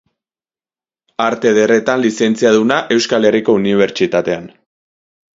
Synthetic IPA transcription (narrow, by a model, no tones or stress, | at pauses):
aɾt̪e̞ðere̞t̪anlise̞nt͡siaðunaʔe̞wskale̞riko̞uniβ̞e̞ɾt͡ʃit̪at̪e̞an